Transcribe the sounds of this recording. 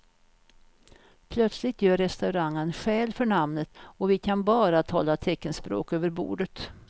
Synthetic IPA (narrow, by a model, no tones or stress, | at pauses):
pʰlœt̪slɪt̪jøːɾɛst̪aʉɾaŋːənɧɛːlfœɳamnət̪ɔvɪkʰanbɑːɾat̪ʰɑ̰ːlːat̪ʰɛkːənspɾo̰ːkøːvəɾbṵːɖət̪